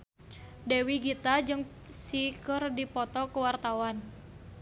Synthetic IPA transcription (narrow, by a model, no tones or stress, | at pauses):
dewiɡit̪ad͡ʒɨŋ | sikərdipɔt̪ɔkəwart̪awan